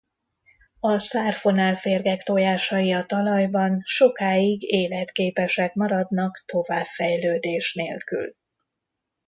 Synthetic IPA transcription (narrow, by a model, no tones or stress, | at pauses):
ɒsaːrfo̞naːlfeːrɡɛkt̪ojaːʃɒjiɒt̪ɒlɒjbɒnʃo̞kaːiɡeːlɛt̪keːpɛʃɛkmɒɾɒd̪nɒkt̪o̞vaːbfɛjløːd̪eːʃneːlky̰l